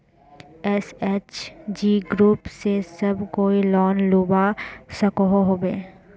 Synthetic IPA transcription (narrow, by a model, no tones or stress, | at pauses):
ɛseːt͡ʃd͡ʒiːɡɾuːpsesɐbkoːilɔːnluːbasɐkoɦoɦoːbeː